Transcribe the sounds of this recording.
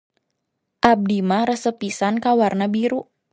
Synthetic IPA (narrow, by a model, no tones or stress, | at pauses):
ʔab̚dimaɾəsəpisankawarnabiɾuʔ